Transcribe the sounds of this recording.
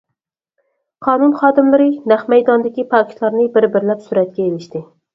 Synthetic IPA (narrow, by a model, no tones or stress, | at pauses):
qʰɑnunχɑːd̪ɪmlɪɾɪnæχmæjd̪ɒnd̪ɪkʲipʰɑkʲʰt̪lˠɑɾnɪbɪɾbɪɾlæpsuɾæt̪̚kʲɛelɪʃt̪ɪ